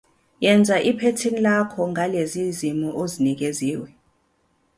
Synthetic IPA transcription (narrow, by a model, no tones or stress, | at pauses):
jɛnd͡zʱaʔipʰetʰinilakʰɔŋʱalezizimuʔozinik̬eziːwɛ